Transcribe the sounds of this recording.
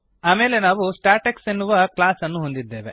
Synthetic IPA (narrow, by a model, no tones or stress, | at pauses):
aːme̞ːle̞naːʋusʈaːɾʈeksenːuʋɐklaːsɐnːuɦond̪id̪ːe̞ːʋe̞̰